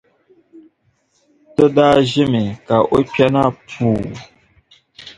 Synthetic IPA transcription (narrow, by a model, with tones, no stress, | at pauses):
tə˦daː˦ʒɪ˦mi˨ka˨ʔo˦pɛ˦na˦pʰuː˨